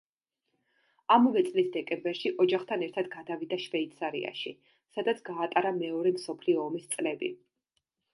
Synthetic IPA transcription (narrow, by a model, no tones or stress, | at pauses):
amɔvɛt̪sʼlisd̪ɛkʼɛmbɛɾʃiʔɔd͡ʒaχt̪ʰanɛɾt̪ʰad̪ɡad̪avid̪aʃvɛit̪sʰaɾḭa̰ʃḭ | sad̪at̪sʰɡaːt̪ʼaɾamɛɔɾɛmsɔpʰliɔːmist̪sʼlɛbḭ